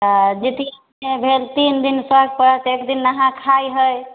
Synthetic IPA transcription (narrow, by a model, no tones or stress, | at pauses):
əd͡ʒet̪i | ebʱelt̪ind̪insəɡ̚pəɾət̪ekd̪inːəɦãkʰajɦəj